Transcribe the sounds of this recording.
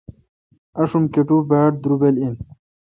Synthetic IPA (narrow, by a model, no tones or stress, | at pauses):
ɐʂumkeʈubaːʈ̚d̪ɾubelin